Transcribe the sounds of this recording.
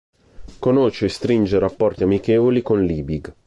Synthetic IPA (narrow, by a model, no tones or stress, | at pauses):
konot͡ʃːeːst̪ɾind͡ʒeɾapːɔrt̪iamikɛːvolikonliːbiɡ